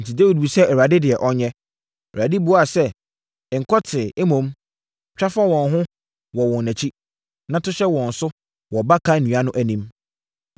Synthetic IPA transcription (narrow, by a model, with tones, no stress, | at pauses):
n̩˨tʰi˨de˦wi˨d̚bu˨sɛ˦ʔɛ˨ɾa˨dɪ˦dɪ˨ɛ˨ʔɔ˦ɲɛ̃˦˨ | a˨dɪ˦bu˨˦a˨sɛ˦˨ | ŋ̩˨kʰɔ˦tʰɪ˨e˦mõ˦m | t͡ɕᶣa˦fa˦wɔ̃˨nɦʊ̃˦ | wɔ˨wɔ̃˨n˨næ̃˨t͡ɕʰi˦ | nã˦tʰʊ˦ɕɛ˦wɔ̃˨n̩˨sʊ˦ | wɔ˨ba˦kʰa˦˨nũ˨˦a˦nʊ̃˦ʔæ˨nĩ˦m